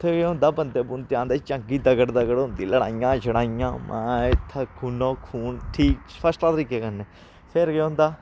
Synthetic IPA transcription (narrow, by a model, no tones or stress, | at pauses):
t̪ʰeːkeʊ̃nd̪aːbənd̪eːbunt̪ãːnd̪eːt͡ʃəŋɡiːd̪əɡəɽd̪əɡəɽõnd̪ḭːləɽa̰ːijãːd͡ʒəɽaːijã̰ːmʔɛ̰̃ːɪt̪ʰːəkʰuːnõːkʰuːnʈʰiːkpʰəsʈaːt̪əɾiːkeːkənːeː | sʰeɾkeʊ̃nd̪aː